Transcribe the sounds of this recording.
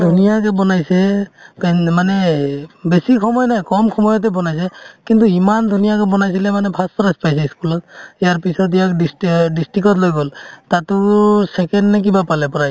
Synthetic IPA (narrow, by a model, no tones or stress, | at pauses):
dʱunijakɛbɔnajsɛpɛmanɛbesikʰɔmɔjɔnajkɔmkʰɔmɔjɔt̬ɛbɔnajs̬ɛkintuimandʱunijak̬ɛbɔnajs̬ilɛmanɛpʰastɔɹaspajs̬ɛiskulɔt̚ijaɹpisɔt̬ijakdisdisʈɹikɔt̬lojɡɔltatʊsɛkɛnnɛk̬ibapalɛpɔɹaj